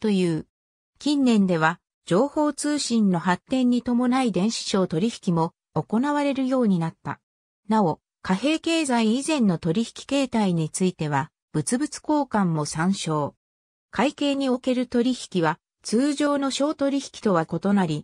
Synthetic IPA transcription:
t̪o̞jɯ̟ː | kʲĩnːẽ̞nd̪e̞β̞a | d͡ʑo̞ːho̞ːt͡sɨːɕĩnːo̞ɦat̪ːẽ̞ɲ̟ːit̪o̞mo̞naid̪ẽ̞ɰ̃ɕi̥ɕo̞ːt̪o̞ɾʲiçi̥kʲimo̞ː | ko̞naβaɾe̞ɾɯ̟jo̞ːɲ̟inat̪ːa̰ | nao̞ | kaɦe̞ːke̞ːzaiizẽ̞nːo̞t̪o̞ɾʲiçi̥kʲi̥ke̞ːt̪aiɲ̟it͡sɨit̪e̞β̞a | b̥ɯ̟t͡sɨbɯ̟t͡sɨ̥ko̞ːkãmːo̞sãɰ̃ɕo̞ː | kʰaike̞ːɲ̟io̞ke̞ɾɯ̟t̪o̞ɾʲiçʲi̥kʲiβa | t͡sɨːʑo̞ːno̞ɕo̞ːt̪o̞ɾʲiçi̥kʲi̥t̪o̞β̞ako̞t̪o̞naɾʲi

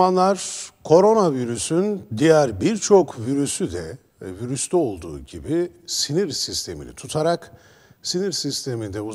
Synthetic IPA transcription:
anlˠaɾ̥kʰo̞ɾo̞naviɾysynd̪ijæɾbiɾt͡ʃʰo̞kviɾysyd̪ɛ | viɾyst̪ʰɛo̞lˠd̪uːɟibisiniɾsist̪ʰe̞mḭnʲɛ̰t̪ʰut̪ʰaɾak | siniɾsist̪ʰe̞mind̪ɛu

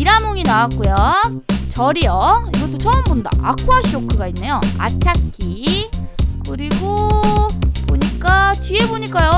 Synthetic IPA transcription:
iɾamoŋinawak͈ujo | t͡ɕʌɾijʌiɡʌt͈ːot͡ɕʌɯmbonda̰ʔakʰuaɕʰiokʰɯɡainːe̞joa̰t͡ɕʰakʰi | kɯɾiɡo | poɲik͈at͡ɕɥieboɲik͈ajo

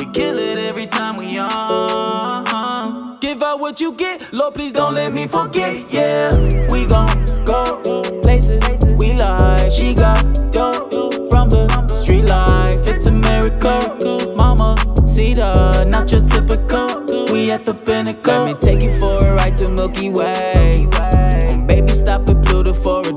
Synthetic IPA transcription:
wikʰɪlɪɾɛvɹitʰãɪ̃mwiə | ɡ̥ɪvʌwʌt͡ʃɨɡɛt̚lɔpʰl̥izdõʊ̃ntlɛt̚mifə˞ɡɛt̚jɛwiɡɑt̚ɡ̥ɔpʰl̥eɪsɪzwilaɪ̥ʃiɡɑt̚ɡofɹʌ̃mðəstɹ̥itˡlaɪfɨtsəmɛɹɨkəkmɑməsiɾənat͡ʃətʰɪpɨkʰʌwiiɛt̪̚ðəpɪnɨkʰãmĩtʰeɪkɨ̃fəɹəɹaɪtʰɨmɪlˠkiwewemeɪbistɑp̚wɨðbʰluɾɪ̃fəɹɨ

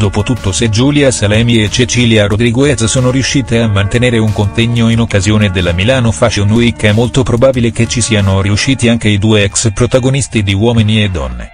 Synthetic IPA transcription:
d̪oːpot̪ut̪ːosed͡ʒuːljasalɛːmiet͡ʃːet͡ʃiːljaɾod̪ɾiɡoɛzsoːnoɾiuʃːiːt̪eamːant̪eneːɾeuŋkont̪ɛɲːoinokːazjoːned̪elːamilaːnofat͡ʃionuikːɛmːolt̪opɾobaːbilek̟et͡ʃisiːanoriuʃːiːt̪iaŋk̟eid̪uːeɛkspɾot̪aɡonist̪id̪iwɔːminied̪ːɔ̰nːḛ

